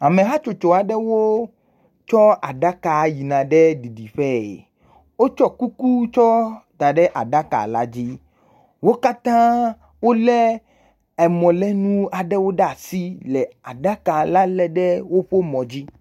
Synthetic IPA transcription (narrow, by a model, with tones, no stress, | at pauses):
a˨mẽ˨ɦa˦t͡ʃo˨t͡ʃo˨a˨ɖɛ˦wo˦ | t͡ʃɔ˦a˨ɖa˦ka˨˦ji˨nã˨ɖɛ˦ɖi˨ɖi˨ɸɛ˦ḛ˨ | wo˦t͡ʃɔ˦ku˦ku˦t͡ʃɔ˦d̪a˨ɖɛ˦ʔa˨ɖa˦ka̰˨la̰˦d͡ʑi˦ | wo˦ka˦t̪ã˦ | wo˦lɛ˦ | ɛ˨mɔ̃˨lɛ˦nũ˦a˨ɖɛ˦wo˦ɖa˦˨si˦lɛ˨a˨ɖa˦ka˨la˦lɛ˨ɖɛ˦wo˦ɸo˦mɔ̃˨d͡ʑi˦